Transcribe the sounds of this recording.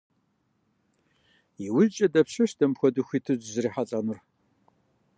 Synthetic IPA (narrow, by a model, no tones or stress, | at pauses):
iwʊzt͡ʃʼɐdɐpɕɐʃdɐmpxʷɔduxʷiːtʰɨd͡ʒzɨriːħat͡sʼɐnʊr